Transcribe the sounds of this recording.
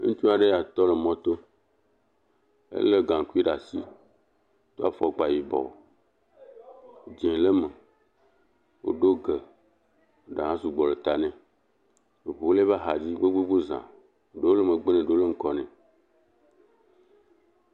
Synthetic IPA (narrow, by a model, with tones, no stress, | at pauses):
ŋũ˦t͡ʃu˦a˨ɖe˦ja˨t̪ɔ˦le˨mɔ̃˨t̪o˦ | ḛ˦le˦ɡã˨ŋ˨ku˦i˦ɖa˨si˦ | t̪o˦a˦fɔ˨k͡pa˨ji˨bɔ̰˨ | d͡ʒɛ̃˨le˦me˨ | wo̰˨ɖo˦ɡe˨ | o˦ɖa˨ɦã˦su˨ɡ͡bɔ˨le˨t̪a˨nɛ̃˨ | e˨βo˨wo˦le˦βa˦ɦa˨d͡ʑi˦ɡ͡be˦ɡ͡be˦ɡ͡bo˦zã̰˨ | ɖo˦le˦mẽ˨ɡ͡be˦nɛ̃˨ɖo˦le˦ŋ̩˦kɔ˨nɛ̃˨